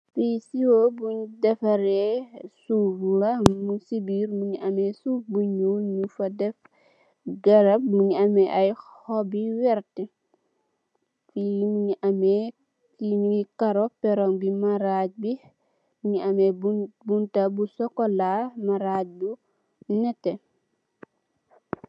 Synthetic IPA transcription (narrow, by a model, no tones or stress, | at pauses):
fisiwobuɲdɛfɐɾɛsufulɐmusibiɾmuɲiɐmɛsufbuɲuɲufɐdɛf | ɡɐɾɐp̚muɲɐmɛʔɐjhɔbiwɛɾtɛ | fimuɲiʔɐmɛ | imuikɐɾɔpɛɾɔŋbimaɾaɟ̚bi | muɲiɐmɛbbuntabusɔkɔlamɐɾaːc̚bu | nɛtːɛ